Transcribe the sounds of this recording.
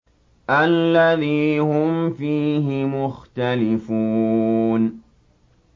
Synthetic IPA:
ʔalːaðiːhʊmfiːɦɪmʊxt̪alɪfuːn

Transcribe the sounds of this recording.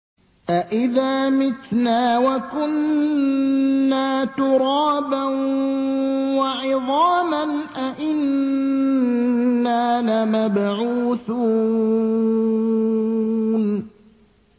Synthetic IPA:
ʔaʔɪðaːmɪt̪naːwakʊn | aːt̪ʊɾɑːban | waʕɪðˤɑːmanʔaʔɪn | aːnamabʕuːθuː | n

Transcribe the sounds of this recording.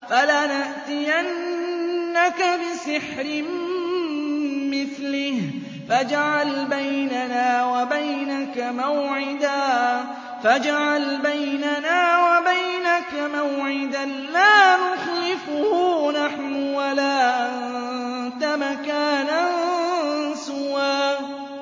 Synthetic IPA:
falaːnaʔt̪ɪjanː | akabɪsɪħɾɪm | mɪθlɪh | fad͡ʒaʕalbajnanaːwabajnakamawʕɪd̪aː | fad͡ʒaʕalbajnanaːwabajnakamawʕɪd̪anlaːnʊxlɪfʊnaħnʊwalaːʔant̪amakaːnan | sʊwaː

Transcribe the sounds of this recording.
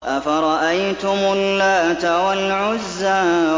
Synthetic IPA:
ʔafaɾˤɑʔajt̪ʊmʊlːaːt̪awalʕʊzːa

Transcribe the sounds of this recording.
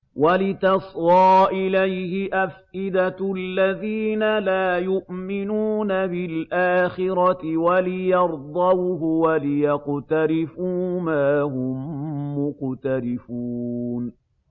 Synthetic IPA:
walɪt̪ɑsˤwɑːʔɪlajhɪʔafʔɪd̪alːaðiːnalaːjʊʔmɪnuːnabɪlʔaːxɪɾɑɪwalɪjɑɾˤd̪ˤɑwɦʊwalɪjɑqt̪aɾɪfuːmaːhʊmːʊqt̪aɾɪfuːn

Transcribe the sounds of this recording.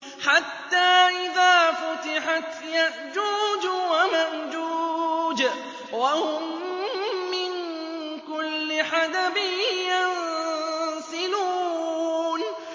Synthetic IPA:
ħat̪ːaːʔɪðaːfʊt̪ɪħat̪jaʔd͡ʒuːd͡ʒwamaʔd͡ʒuːd͡ʒ | wahʊmː | ɪn | kʊlːɪħad̪abɪjan | sɪluː | n

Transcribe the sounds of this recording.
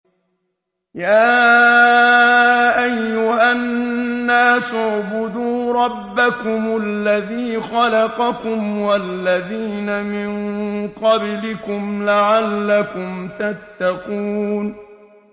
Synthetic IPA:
jaː | ʔajːʊhanːaːsʊʕbʊd̪uːɾˤɑbːakʊmalːaðiːxɑlɑqɑkʊmwalːaðiːnamɪnqɑblɪkʊmlaʕalːakʊmt̪at̪ːɑquːn

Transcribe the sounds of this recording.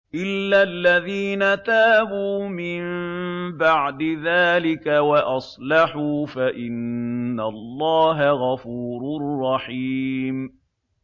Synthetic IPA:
ʔɪlːalːaðiːnat̪aːbuːmɪmbaʕd̪ɪðaːlɪkawaʔɑsˤlɑħuːfaʔɪnːalˤːɑːɦaɣɑfuːɾrˤːɑħiːm

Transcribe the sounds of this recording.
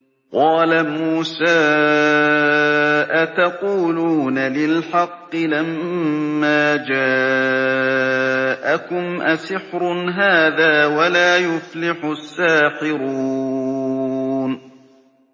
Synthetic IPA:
qɑːlamuːsaː | ʔat̪ɑquːluːnalɪlħɑqːɨlamː | aːd͡ʒaː | ʔakʊmʔasɪħɾʊnɦaːðaːwalaːjʊflɪħʊsːaːħɪɾu | n

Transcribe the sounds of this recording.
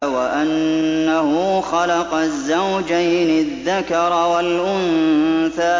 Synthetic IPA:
waʔanːahʊxɑlɑqɑzːawd͡ʒajnɪðːakɑɾˤwalʔʊnθaː

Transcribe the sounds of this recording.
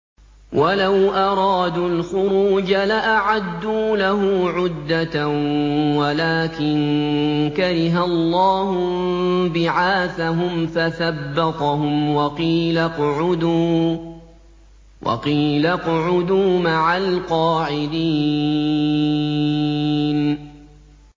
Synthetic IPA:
wʔalawʔɑɾˤɑːd̪uːlxʊɾuːd͡ʒalaʔaʕad̪ːuːlaɦʊːʕʊd̪ːat̪awalaːkɪnkaɾɪɦallˤːɑːhʊbɪʕaːθaɦʊmfaθabːɑt̪ˤɑɦʊmwɑqiːlaqʊʕʊd̪uː | wʔɑ̰qiːlaqʊʕʊd̪uːmaʕalqɑːʕɪd̪iː | n

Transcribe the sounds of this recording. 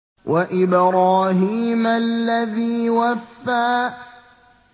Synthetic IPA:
wʔaʔɪbɾaːhiːmalːaðiːwafːaː

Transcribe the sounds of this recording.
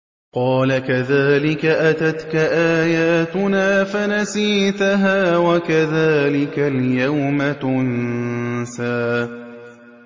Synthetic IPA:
qɑːlakaðaːlɪkaʔat̪at̪kaʔaːjaːt̪ʊnaːfanasiːt̪aɦaːwakaðaːlɪkaljawmat̪ʊn | saː

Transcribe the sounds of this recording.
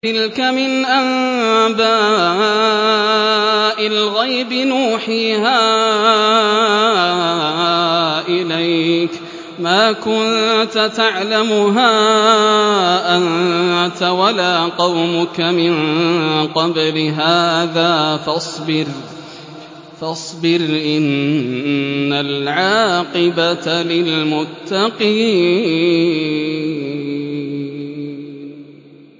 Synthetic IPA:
t̪ɪlkamɪnʔanbaː | ʔɪlɣajbɪnuːħiːhaː | ʔɪlajk | maːkʊnt̪at̪aʕlamʊɦaː | ʔant̪awalaːqɑwmʊkamɪn | qɑblɪɦaːðaːfɑsˤbɪɾ | fɑsˤbɪɾʔɪn | alʕɑːqɪbat̪alɪlmʊt̪ːɑqiː

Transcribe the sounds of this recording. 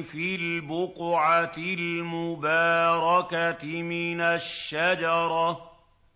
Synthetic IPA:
filbʊqʕat̪ɪlmʊbaːɾˤɑkamɪnaʃːad͡ʒɑɾˤɑ

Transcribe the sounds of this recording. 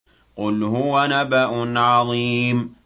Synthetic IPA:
qʊlhʊwanabaʔʊnʕɑðˤiːm

